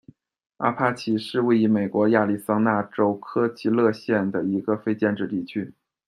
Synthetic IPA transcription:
a̰˥˩pʰa˥t͡ɕʰi˧˩ʂɻ̩˥˧we˥˩ɪi˧˥me˨˩ɪkwɔ˧˥ja˥˧li˥˩sɑ˥ŋna˥˩ʈ͡ʂo˥ʊkʰɤ˥t͡ɕʰi˧˥lɤ˥˧ɕjɛ˥˩nd̪ə˩i˧˥ɡə˧fe˥ɪt͡ɕjɛ˥˧nʈ͡ʂɻ̩˥˧t̪i˥˩t͡ɕʰy˥

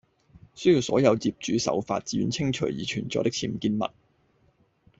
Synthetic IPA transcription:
sɵ˥jiː˧wsɔː˨˥jɐ˨˧wt͡siː˧p̚t͡ʃyː˨˥sɐ̰˨˥wfa̰ː˧t̚t͡siː˧jy˨˧nt͡sʰɪ˥ŋt͡ʃʰɵ˨˩ɥjiː˨t͡ʃʰyː˨˩nt͡sɔː˧t̪ɪ˥k̚t͡sʰiː˧m˨kiː˧nmɐ̰˨t̚

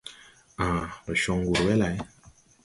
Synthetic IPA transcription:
a˨lɔ˨ʃɔ˨ŋ˦ɡu˨ɾwɛ˦la˨˦

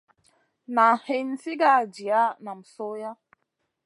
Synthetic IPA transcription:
na˨he˨n̩˦si˦ɡa˦˨d͡ʒi˨a˦na˨m̩˨so˦ja˦

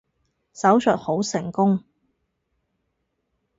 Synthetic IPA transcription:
sɐ˨˥wsœ˨t̚ho˨˥wsɪ˨˩ŋkʊ˥ŋ

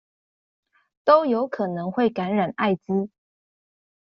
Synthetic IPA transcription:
t̪o˥ʊjo˧˦ʊkʰɤ˨˩nɤ˧˥ŋxwe˥˩ɪka˧˥nɻa˨˩na˥˩ɪt͡ɕi˥

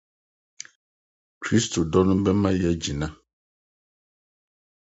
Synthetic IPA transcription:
kɾi˦st̪o˨ɖɔ˦nũ˦bɛ˦mã˦jɛ˦d͡ʑi˨nã˦

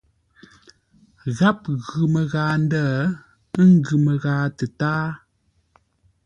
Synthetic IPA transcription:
ɣa˦p̚ɣʉ˨mə˨ɣaː˨˦n̩˦dəː˦˨˦ | ŋ˦ɡʉ˨mə˨ɣaː˨˦tə˨taː˦

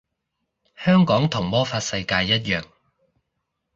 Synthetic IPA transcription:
hœː˥ŋkɔː˨˥ŋt̪ʰʊ˨˩ŋmɔː˥faː˧t̚sɐ˧jkaː˧jːɐ˥t̚jœː˨ŋ

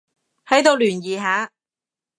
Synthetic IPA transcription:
hɐ˨˥jt̪o˨˧wlyː˨˩njiː˨˩ɦaː˨˥

